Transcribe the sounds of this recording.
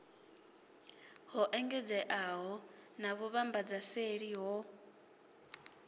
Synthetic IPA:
ɦɔʔɛŋɡɛd͡zɛʔaɦɔnaβuβambad͡zaseɺiɦɔ

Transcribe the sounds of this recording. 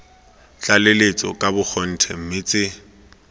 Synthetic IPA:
t͡ɬʼalelet͡sʼɔ̰kʼabʊk͡xʰɔn̩tʰɛm̩mɪt͡sʼɪ

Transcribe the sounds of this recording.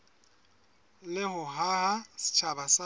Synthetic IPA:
lɪɦʊɦaɦasɪ̥t͡ʃʰabasa

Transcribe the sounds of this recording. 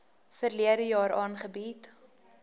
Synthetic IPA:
fərliədəjɑːɾʔɑːnχəbit

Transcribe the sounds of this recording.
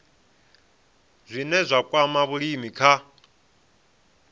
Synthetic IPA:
zʷinɛzʷakʼwamaβuɺimikʰa

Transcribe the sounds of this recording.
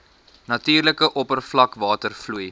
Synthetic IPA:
nɐtiːrləkəʔɔpərflɐkvɑːtərfluj

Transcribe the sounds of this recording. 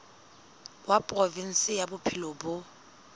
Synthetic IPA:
wapʼrɔvin̩sɪjabʊpʰɪlobʊ

